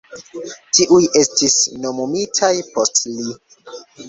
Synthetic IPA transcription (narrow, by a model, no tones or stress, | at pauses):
tiʔujʔe̞stisno̞momitʰajpo̞stli